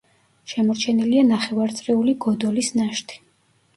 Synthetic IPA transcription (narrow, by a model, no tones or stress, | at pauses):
ʃɛmɔɾt͡ʃʰɛnilianaχɛvaɾt̪sʼɾɛuliɡɔd̪ɔlisnaʃt̪ʰi̥